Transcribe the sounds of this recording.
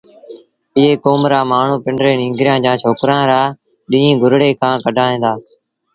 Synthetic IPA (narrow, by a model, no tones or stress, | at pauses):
ɪɦeːkoːmɾaːmaːɳ̤ũːpɪɳɖɾeːnĩːŋɡɾɪjãːd͡ʒãːt͡ʃʰoːkɾãːɾaː | ɗɪ̃ːĩːɡʱʊɾɽeːkʰãːkəɖʱãːɦẽːnd̪aː